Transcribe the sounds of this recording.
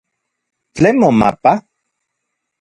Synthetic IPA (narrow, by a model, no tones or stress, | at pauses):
t͡ɬemoma̰pa